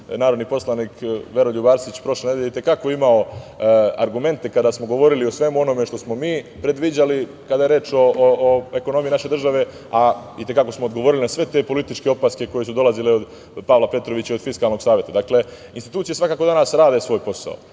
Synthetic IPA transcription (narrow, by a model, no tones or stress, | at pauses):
naːɾod̪nipo̞slaniːkʋe̞ɾoʎubaːɾsit͡ɕpɾo̞ʃlened̪jeeit̪e̞kakoimao | a̰ɾɡume̞nt̪e̞kad̪aːsmo̞ɡo̞ʋo̞ɾiliosʋe̞muo̞no̞me̞ʃt̪o̞smo̞miːpɾe̞d̪ʋid͡ʑali | kad̪ajeɾe̞ːt͡ʃoe̞kono̞mijinaʃe̞d̪r̩ʒaʋe̞ | ait̪e̞kako̞smoːd̪ɡo̞ʋo̞ɾilinasʋe̞t̪e̞po̞lit̪it͡ʃkeopaske̞ko̞je̞sud̪o̞lazileo̞d̪ | paʋlape̞t̪ɾoʋit͡ɕaio̞d̪fiskalno̞ɡsaːʋje̞t̪ad̪akle̞ | inst̪it̪uːt̪sijesʋakaːko̞d̪anaːsɾaːd̪esʋo̞ːjpo̞sa̰o̰